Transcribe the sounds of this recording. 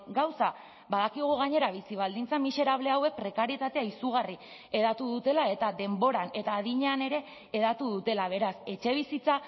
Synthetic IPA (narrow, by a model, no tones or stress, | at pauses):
ɡawsa | βbaðakiɣ̞uɣaɲe̞ɾaβ̞isiβ̞ald̪int͡samise̞ɾaβ̞le̞awe̞k̚pɾe̞kaɾiet̪at̪eaisuɣ̞ari | e̞ðat̪uðut̪e̞lae̞t̪aðe̞mbo̞ɾane̞t̪aːðiɲeane̞ɾe̞ː | ðat̪uðut̪e̞laβ̞e̞ɾase̞t͡ʃe̞β̞isit͡sa